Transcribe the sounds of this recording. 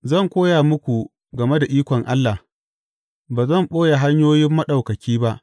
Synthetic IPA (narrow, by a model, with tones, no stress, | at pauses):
zɐ˦˨ŋkʷoː˦jaː˨mʊ˦kʷu˨ | ɡɐ˨me˦da˨ʔiː˦kʷɔ˨ŋʔa˦lːa˨h | baː˨zɐ˦˨mɓoː˦ja˨ɦa˦ɲjoː˦jɪ˦mːɐ˦ɗa˨wkɐ˨kʲiː˦ba˦ʔ